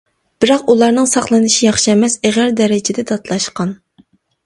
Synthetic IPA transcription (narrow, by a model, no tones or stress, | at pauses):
b̥ɪɾɑqulˠɑɾnɨŋsɑχlˠɨnɨʃijɑχʃɛmɛseʁæɾd̪ɛɾɪd͡ʒɪd̪ɛd̪ɑt̪lˠɑʃqɑn